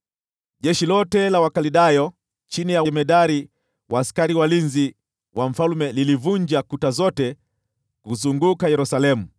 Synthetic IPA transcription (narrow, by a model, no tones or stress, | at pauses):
ʄɛʃilɔtɛlawakaliɗajɔ | t͡ʃinijawmɛɗaɾi | waːskaɾiwalinzi | waɱ̩falumɛlilivuɲd͡ʒakutazɔtɛ | kuzuŋɡukajɛɾusalɛmu